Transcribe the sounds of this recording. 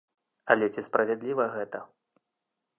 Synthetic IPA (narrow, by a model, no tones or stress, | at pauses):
ɐlʲɛt͡sʲispɾʔɐvʲɛd̪lʲivɐɣɛt̪ɐ